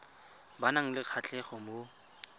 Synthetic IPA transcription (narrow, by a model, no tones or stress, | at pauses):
banaŋ̩lɪq͡χʰat͡ɬʼɛχɔmo